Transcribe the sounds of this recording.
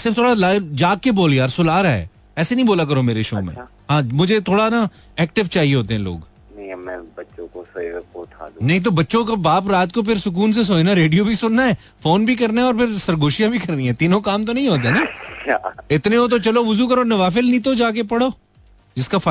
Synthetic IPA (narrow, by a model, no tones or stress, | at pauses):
sɪɾft̪ʰoːɽalaːd͡ʒaːkeboːljaːɾsʊlaːɾaɛ̰ː | ɛːsenɐ̃ĩboːlak̬ɐɾomeːɾeʃo̰ːmḛ̃ | ɦãːmʊd͡ʒʱet̪ʰoːɽana | ɛːk̚ʈɪʋt͡ʃaːɦieɦoːt̪eɦɛ̃lo̰ːɡ | nɐ̃ĩmɛ̃ːbɐtːʃõkosɐikot̪ʰa̰ːd̪unɐɦĩt̪̬obɐtːʃõkabaːp̬ɾaːt̪kop̬ʰɪɾsʊk̬uːns̬es̬oːenaɾeːɖijobʱisʊnːaɛː | foːnbʱikɐɾnaɛɔːɾpʰɪɾsɐɾɡoːʃijabʱikɐɾniɦɛ̃ːt̪iːnõkaːmt̪̬onɐɦĩɦoːt̪̬enaːt͡ʃaɪt̪nẽõt̪̬ot͡ʃɐloʋʊzukɐɾonɐʋaːf̬ɪlnĩt̪od͡ʒaːk̬epɐɽoː | d͡ʒɪskaf